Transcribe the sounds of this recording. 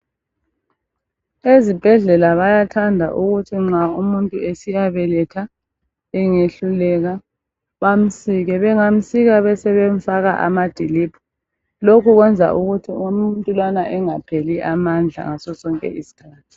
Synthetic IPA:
ezib̥ʱɛɮɛlaβajatʰandʱa̰ʔuɣutʰiŋ͡ǁaumuntʼuesijaβɛlɛtʰa | ɛŋeɬulɛɣa | βam̩siɣɛβɛŋam̩siɣaβɛsɛβeɱ̩faɣa̰ʔa̰mad̥ʱiliːbʰɔ̥ | lokʰuɣwɛnd͡zʱa̰ʔuɣutʰiumuntʼulwanaʔɛŋapʰeliʔamand͡ɮʱa̰ŋasɔsɔŋkʼɛ̰ʔisi̥kʰaːtʰu̥

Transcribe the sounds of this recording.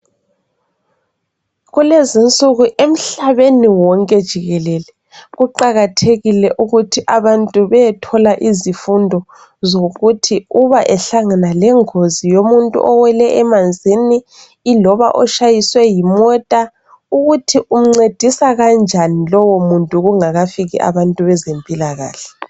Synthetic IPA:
ɣulezint͡sʼuɣuʔem̩ɬaβeniwɔŋkʼɛd̥ʒ̥ʱiɣɛlɛlɛ | ɣuǃaɣatʰeɣilɛʔuɣutʰiʔaβantʼuβɛtʰɔlaʔizifundʱɔ | zoɣutʰiuβaʔɛɬaŋanalɛŋozijomuntʼṵʔɔwɛlɛʔɛmand͡zʱiniː | lɔβa̰ʔɔʃajiswɛjimɔtʼa | uɣutʰiʔum̩ŋ͡ǀed̥ʱisaɣand͡ʒʱanilɔwomuntʼuɣuŋaɣafiɣiʔa̰βantʼuβɛzempʼilaɣa̰ːɬɛ̥

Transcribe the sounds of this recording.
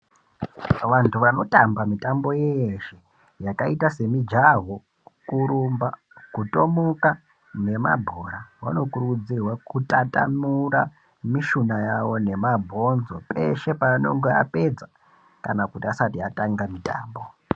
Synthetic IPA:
ʋantʰuʋano̞tʼambamitambo̞jeeʃe | jakaitase̞mid͡ʒaɦo | kuɾumba | kuto̞moka | ne̞ma̰bʱoɾaʋa̰no̞kurud͡zirwakutata̰mura | miʃunajawo̞ne̞mabʱo̞nzo̞pʼe̞̰ʃe̞pano̞̰ŋɡea̰pe̞d͡za | kanakutiasatiataŋɡamitʼa̰ːmbo̞

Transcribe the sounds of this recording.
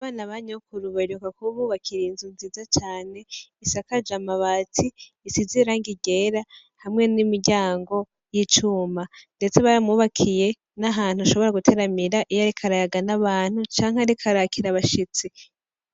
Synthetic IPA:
aβaːnaβaɲokuɾuβaɾukakuβuːβakʰiɾinzunziːzat͡ʃaːne̞isakad͡ʒamaβaːtʰiː | siziɾaŋɡiɟe̞ɾa | hamŋe̞nimiɾɟaːŋɡo̞ | jit͡ʃuːmande̞t͡se̞βaɾamuːβakʰije̞ | naɦaːn̥huaʃo̞βo̞ɾaɡutʰe̞ɾamiɾaʔijaɾikʰaɾajaɡanaβaːn̥hut͡ʃaːŋ̥heaɾikʰaɾakʰiɾaβaʃit͡si

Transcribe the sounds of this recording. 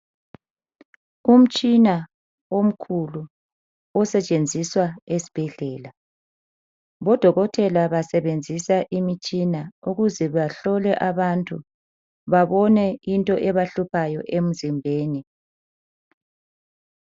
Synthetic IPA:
um̩t͡ʃʼina | om̩kʰulu | ɔsɛt͡ʃʼend͡zʱiswaesi̥b̥ʱɛɮɛːla | βɔd̥ʱɔɣɔtʰɛlaβasɛβend͡zʱisaʔimit͡ʃʼinauɣuzɛβaɬɔlɛʔaβantʼu | βaβɔnɛintʼɔʔɛβaɬupʰajɔʔem̩zimbʱeːni

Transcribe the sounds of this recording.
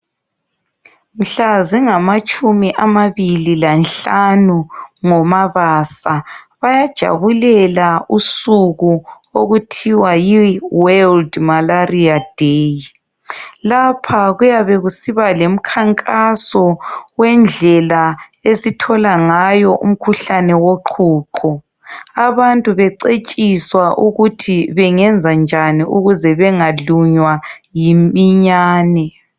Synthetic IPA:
m̩ɬaziŋamat͡ʃʼumiʔamaβililanɬanuŋɔmaβaːsaβajad̥ʒ̥ʱa̰βulɛlausuɣu | oɣutʰiwajiwɛldmalariad̥ʱeji | lapʰaɣujaβɛɣusiβalem̩kʰaŋkʼasɔwɛnd͡ɮʱɛlaesitʰɔlaŋajɔʔṵm̩kʰuɬanɛwoǃʰuːǃʰɔ | aβantʼuβɛǀet͡ʃʼiswaʔuɣutʰiβɛŋɛnd͡zʱand͡ʒʱaniʔuɣuzɛβɛŋaluɲwajimiɲaːnɛ

